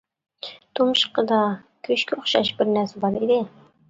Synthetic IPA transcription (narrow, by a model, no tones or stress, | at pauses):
t̪ʰumʃqəd̪ɑ | kʲʰɵʃkʲɪʊχʃɑʃbɪɾnæɾsæbɑɾed̪ɪ